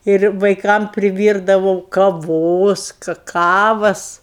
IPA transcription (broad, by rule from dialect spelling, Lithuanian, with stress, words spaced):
ˈɪr ʋɐɪˈkɐm pʲrʲɪˈʋʲiːrdɐʋɐʊ kɐˈʋoːs kɐˈkɑːʋɐs